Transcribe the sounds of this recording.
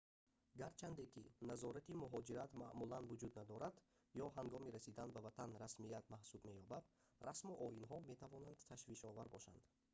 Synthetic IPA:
ɡaɾt͡ʃʰand̪ekinazɔɾat̪imuɦɔd͡ʒiɾat̪maʔmulanvud͡ʒud̪nad̪ɔɾad̪ | jɔɦaŋɡɔmiɾæsid̪anbavat̪ʰanɾasmiat̪mahsubme̞jɔbad̪ | rasmuʔɔinɦɔme̞t̪ʰavɔnand̪t̪ʰaʃviʃɔvaɾbɔʃa̰nd̪̥

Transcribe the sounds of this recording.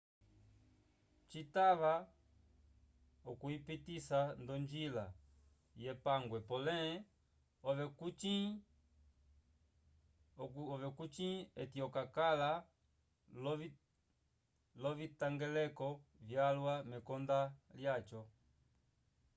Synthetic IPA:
t͡ʃitaʋa | ɔkuipitisandɔɲd͡ʒila̰ | jɛpaŋɡwɛpɔlɛ | ɔʋɛkui | ɔvɛkut͡ʃĩɛtiɔkakala | lɔ | lɔvitaŋɡɛlɛkɔvjalwamɛkɔndaljat͡ʃɔ

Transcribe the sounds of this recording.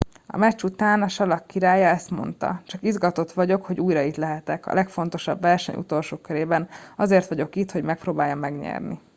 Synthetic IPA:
ɒ̰mɛt͡ʃut̪aːnɒʃɒlɒkːiɾaːjɒɛst̪mo̞̰nt̪ɒ̰t͡ʃɒkizɡɒt̪o̞t̪ʋɒɟo̞kho̞ɟuːjɾɒit̪lɛɦɛt̪ɛkɒ̰lʔɛkfo̞n̪t̪o̞ʃɒ̰bʋɛrʃɛ̰ɲṵt̪o̞lʃoːkøɾeːbɛnɒzeːrt̪ʋɒɟo̞kit̪ho̞ɟmɛk̚proːbaːjɒmːɛɡɲɛ̰rnḭ

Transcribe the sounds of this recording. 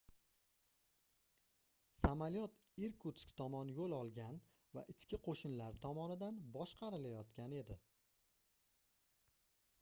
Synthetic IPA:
samaljɒt̪ | iɾkʰut̪skʲt̪ʰɒmɒnjolˠɒlˠɡʲan | va̰ʔɪt͡ʃkʲɪqʰoʃɪnlaɾɪt̪ʰɒmɒnɪd̪anbɒʃqʰɑɾɪlajɒt̪kʲane̞d̪ɪ

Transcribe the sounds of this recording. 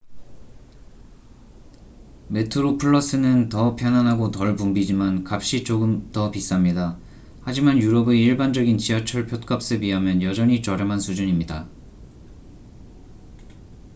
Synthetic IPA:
me̞tʰɯɾopʰɯɭːʌs͈ɯnɯntʌpʰjʌnanɦaɡotʌɭpumbid͡ʑimankap̚ɕ͈it͡ɕoɡɯmtʌpis͈amɲida | had͡ʑimanjuɾʌbe̞iɭband͡ʑʌɡint͡ɕiat͡ɕʰʌɭpʰjot̚k͈ʌp̚s͈ɯbiɦamjʌnjʌd͡ʑʌɲit͡ɕʌɾemɦansʰud͡ʑuɲimɲida

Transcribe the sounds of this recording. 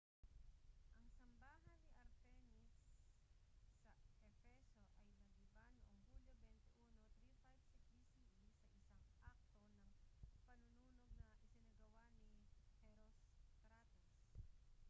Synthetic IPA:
ʔɐŋsɐmbaːɦɐnːiʔɐɾt̪ɛnis | ɐʔɛfɛsoʔɐjnɐɡɪbanoʔɐŋhuljobɛnt̪ɛʔuːnot̪ɾifajbsɛki | isɐʔɪaŋʔak̚t̪onɐŋpɐnʊnuːnoɡ̚nɐʔɪsɪnɐɡɐwaʔnipɛɾoskɾat̪os

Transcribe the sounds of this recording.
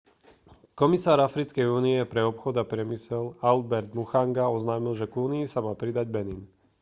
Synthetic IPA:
kɔmisaːɾafɾit͡skɛjuːniɛpɾɛɔpxɔd̪apɾɪɛmisɛlalbɛɾd̪muxaŋɡaɔznaːmilʒɛɡuːniisamaːpɾid̪aɟ̚bɛnin

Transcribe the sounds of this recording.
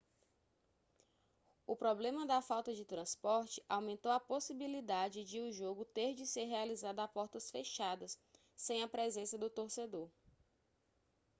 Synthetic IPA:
ʊpɾɔblẽmɐd̪ɐfawt̪ɐd͡ʒɪt̪ɾɐ̃spɔɾt͡ʃɪ̥ʔawmẽnt̪owɐposibilid̪ad͡ʒɪd͡ʒɪʊʒoɡʊt̪eɾd͡ʒɪseɾɦealizad̪ʊapɔɾt̪ɐsfeʃad̪ɐsː | ẽj̃ɐpɾɛzẽsɐd̪ʊt̪oɾsed̪oɾ

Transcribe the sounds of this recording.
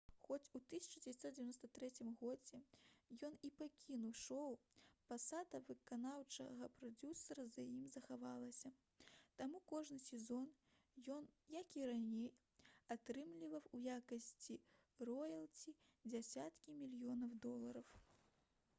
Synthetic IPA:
xɔt͡sʲut̪ɨsʲɐ̥t͡ʃɐd͡zʲevʲat̪sɔt̪̚d͡zʲevʲanɔst̪ɐt̪ɾɛt͡sʲimɣɔd͡zʲɛjɔnipakʲinuwʂɔwpasad̪ɐvɨkanawt͡ʂɐ̰ɣɐpɾad͡zʲusɐɾɐzajimzɐxavalˠɐsʲɐ | t̪amukɔʐnɨsʲɛzɔn | jɔnjɐkiɾanʲej | at̪ɾɨmlʲivɐwujakɐsʲt͡sʲi | rɔjɐlˠt͡sʲi | d͡zʲasʲat̪kʲimʲilʲijɔnɐwd̪ɔlˠɐɾɐw

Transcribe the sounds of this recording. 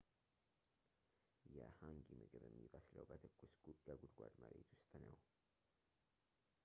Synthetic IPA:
jɛhaŋɡimɨɡɨbəmːivəsləwbət̪ʰɨkʼːusɡəɡud̪ɡʷad̪məɾet̪wʊst̪ʼnəw

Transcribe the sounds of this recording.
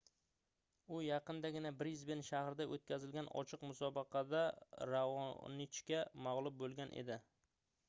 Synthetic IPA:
ʊjɑqɨnd̪aɡʲɪnabɾjɪzbɪnʃahɾɪd̪aʔot̪̚kʲazɪlɡʲanɒ̰t͡ʃʰɨqmʊsɒbɪqʰɑd̪aɾavɒ̰nɪt͡ʃkʲamaʁlˠʊb̚bolˠɡʲanʔḛd̪ɪ

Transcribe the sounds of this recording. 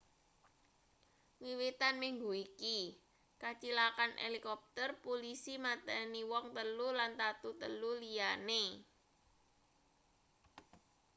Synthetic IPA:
wiwit̪anmiŋɡuiki | kat͡ʃilakanʔḛlikɔp̚t̪ərpolisimat̪ɛniwɔŋt̪əlulant̪at̪ut̪əlulijane

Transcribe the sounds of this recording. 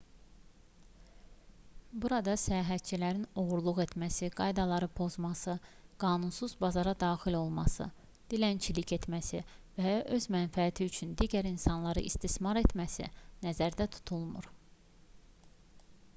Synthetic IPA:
buɾɑd̪ɑsæjɑːɦæt̪̚t͡ʃʰilæɾino̞ɣuɾlˠuɣe̞t̪mæsiɡ̥ɑjd̪ɑlˠɑɾɯpʰo̞zmɑsɯɡ̥ɑːnunsuzbɑzɑɾɑd̪ɑːxilo̞lˠmɑsɯ̰ | d̪̥ilænt͡ʃʰilicʰe̞t̪mæsḭvæʔø̞zmænfæːt̪ʰiyt͡ʃʰynd̪iɟæɾinsɑnlˠɑɾɯ̰ʔist̪ismɑɾe̞t̪ʰmæsḭnæzæɾd̪æt̪ʰu̥t̪ʰulˠmṵɾ

